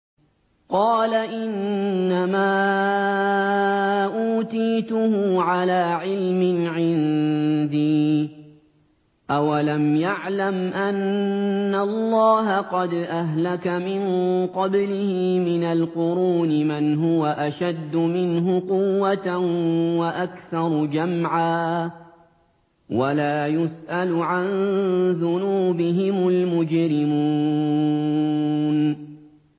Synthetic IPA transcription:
qɑːlaʔɪnːamaː | ʔuːt̪iːt̪ʊhʊʕalaːʕɪlmɪʕɪnd̪iː | ʔawalamjaʕlamʔanː | alˤːɑːɦaqɑd̪ʔaɦlakamɪŋqɑblɪhɪmɪnalqʊɾuːnɪmɪnɦʊwaʔaʃad̪ːʊmɪnɦʊqʊwːat̪waʔakθɑɾˤd͡ʒamʕaː | walaːjʊsʔalʊʕanðʊnuːbɪɦɪmʊlmʊd͡ʒɾɪmuː | n

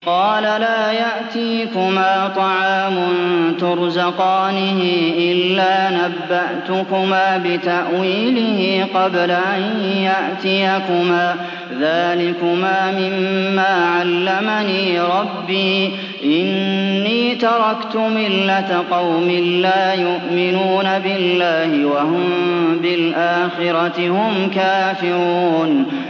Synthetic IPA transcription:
qɑːlalaːjaʔt̪iːkʊmaːt̪ˤɑʕaːmʊnt̪ʊɾzaqɑːnɪhɪʔɪlːaːnabːaʔt̪ʊkʊmaːbɪt̪aʔwiːlɪhɪqɑblaʔanjaʔt̪ɪjakʊmaː | ðaːlɪkʊmaːmɪmːaːʕalːamaniːɾˤɑbːiː | ʔɪnːiːt̪ɑɾˤɑkt̪ʊmɪlːat̪aqɑwmɪlːaːjʊʔmɪnuːnabɪllːaːhɪwaɦʊmbɪlʔaːxɪɾɑt̪ɪhʊmkaːfɪɾuuːn

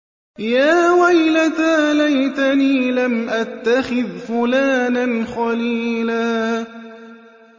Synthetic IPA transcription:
jaːwajlat̪aːlajt̪aniːlamʔat̪ːaxɪðfʊlaːnanxɑliːlaː

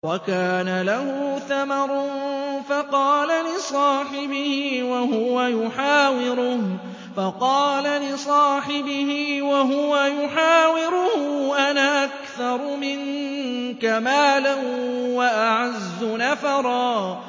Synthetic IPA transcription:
wakaːnalahʊθamɑɾˤnfɑqɑːlalɪsˤɑːħɪbɪhɪːwaɦʊwajʊħaːwɪɾʊh | fɑqɑːlalɪsˤɑːħɪbɪhɪwaɦʊwajʊħaːwɪɾʊhʊʔanaʔakθɑɾˤʊmɪn | kamaːlanwaʔaʕazːʊnafɑɾˤɑː

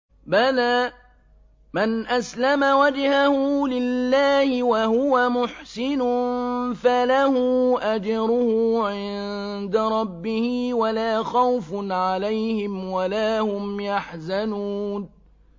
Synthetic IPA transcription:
balaː | manʔaslamawad͡ʒhahʊlɪlːaːhɪwahʊwamʊħsɪnʊfalahuːʔad͡ʒɑɾʊhʊʕɪnd̪aɾˤɑbːɪhɪwalaːxawfʕalajhɪmwalaːhʊmjaħzanuːn

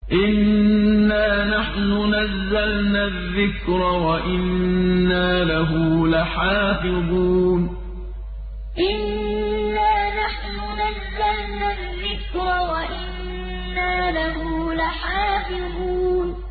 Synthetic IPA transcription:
ʔɪnː | aːnaħnʊnazːalnaːðːɪkɾɑwaʔɪnːaːlaɦʊlaħaːfɪd̪ˤuːn | ʔɪnː | aːnaħnʊnazːalnaːðːɪkɾɑwaʔɪnː | aːlaɦʊlaħaːfɪd̪ˤuːn

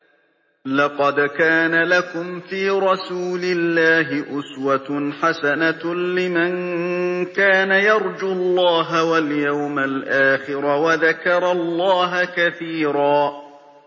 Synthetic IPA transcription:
lɑqɑd̪kaːnalakʊmfiːɾˤɑsuːlɪlːaːɦɪʔʊswat̪ħasanalɪman | kaːnajɑɾˤd͡ʒulˤːɑːɦawaljawmalʔaːxɪɾawaðakɑɾˤɑlˤːɑːɦakaθiːɾɑː

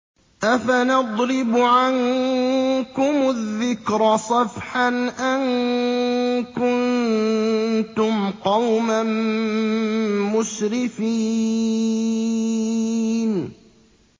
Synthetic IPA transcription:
ʔafanɑd̪ˤɾɪbʕaŋ | kʊmʊðːɪkɾsˤɑfħanʔan | kʊn | t̪ʊmqɑwman | mʊʃɾɪfiː | n

